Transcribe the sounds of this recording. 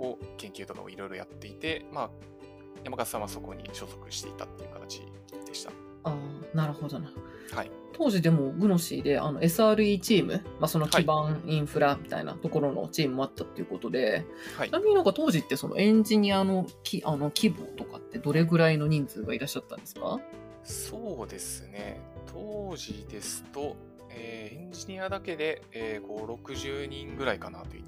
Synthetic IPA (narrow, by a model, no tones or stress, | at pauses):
okẽ̞ŋkʲɨːt̪o̞ka̰oiɾo̞jɾojat̪ːe̞it̪e̞ma | jamaɡasãaso̞ko̞ɲ̟ḭɕo̞zo̞kɯ̟̥ɕi̥t̪e̞̰it̪at̪ːe̞jiɯ̟kḁt̪at͡ɕḭ | d̪̥e̞ɕi̥t̪a | aːnaɾɯ̟ho̞d̪o̞na | hai | t̪ʰo̞ːʑid̪e̞mo̞ɡɯ̟no̞ɕḭːd̪e̞ʔa̰no̞̰e̞sɨaːɾɯ̟iːt͡ɕiːmɯ̟maso̞no̞kʲibãɰĩɰ̃ɸɯ̟ɾamʲi̥t̪a̰ḭna̰t̪o̞ko̞ɾo̞no̰t͡ɕiːmɯ̟mo̞at̪ːat̪ːe̞iɯ̟ko̞t̪o̞d̪e̞ | inamʲiɲ̟inoɡat̪o̞ːʑit̪ːe̞so̞no̰ʔẽ̞ɲ̟d͡ʑiɲ̟iano̞kʲiʔano̞kʲʰibot̪o̞kat̪ːe̞d̪o̞ɾe̞ɡɯ̟ɾaino̞ɲ̟ĩnd͡zɨːɡaiɾaɕːat̪ːãnd̪e̞sɨ̥ka̰ | soːd̪e̞sɨne̞̰t̪ʰoːʑid̪e̞sɨ̥t̪o̞ | eːẽɲ̟d͡ʑiɲ̟iad̪ake̞d̪e̞ | eːɡo̞ɾo̞kɯ̟ʑɨːɲĩŋɡɯ̟ɾaikanat̪oḭ